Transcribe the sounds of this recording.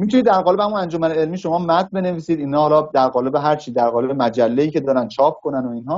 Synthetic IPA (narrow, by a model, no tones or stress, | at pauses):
mit̪ʰunid̪ːæɾɣɒːlebehæmunænd͡ʒomæneelmiːʃo̞mɒːmæt̪be̞ne̞viːsiːd̪iːnhɒːhɒːlɒːd̪æɾɣɒːle̞be̞ɦæɾt͡ʃʰiːd̪æɾɣɒːle̞bemæd͡ʒælːeiːcʰe̞d̪ɒːɾænd̪t͡ʃʰɒːp̚kʰo̞nænoiːnɦɒː